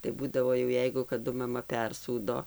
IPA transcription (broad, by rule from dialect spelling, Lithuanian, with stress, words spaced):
tɐɪ ˈbuːdɐʋoː jɛʊ ˈjɛɪɡʊ kɐˈdʊ mɐˈmɐ ˈpʲɛrsuːdoː